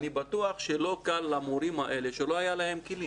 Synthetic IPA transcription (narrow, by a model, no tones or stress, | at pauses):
nibat̪uaχʃelo̞kalːamoɾimhaʔe̞le̞ʃelo̞ajalaɦe̞mkili